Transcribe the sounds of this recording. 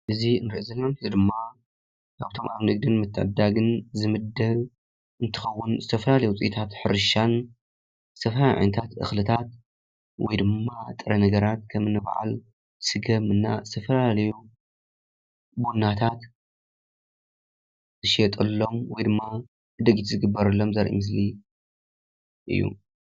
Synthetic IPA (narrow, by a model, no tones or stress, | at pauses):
ʔɨziɨnɾiʔizɐlːomt̪id̪ɨmːa | kʰaβt̪ʰo̞mʔaβnɨɡ̚d̪ɨnmɨt̪ʰːɨʕ̰d̪aɡɨnzɨmɨd̪ɐl | ɨnt̪ʰɨ̥xɐwːʊnzɨt̪ʰɐfɐlalɐjut͡sʼit̪ʰat̪ħɨɾɨʃan | z̥ɨ̥t̪ʰɐflajʕa̰jnɐt̪ʰat̪ʔɨ̰xlɨt̪ʰat̪ | wɔ̰jd̪ɨmːat̪ʼɨɾɐnɐɡɐɾat̪̚kʰɐmɨnːɨb̰ʕa̰l | sɨɡɐmɨnːazɨt̪ʰɐfɐlalɐju | bunːat̪ʰat̪ | zɨʃet̪ʼɐlːo̞mwɔjd̪ɨmːa | ɨd̪ɐɡit̪zɨɡɨbːɐɾɨlːo̞mzɐɾʔḭmɨs̬li | ʔɨ̰jːṵ